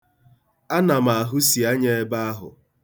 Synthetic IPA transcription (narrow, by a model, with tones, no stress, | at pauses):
a˦na˨ma˨a˨ɦʊ˦si˨a˦ɲe˦e˦ba˦a˦ɦʊ̰˨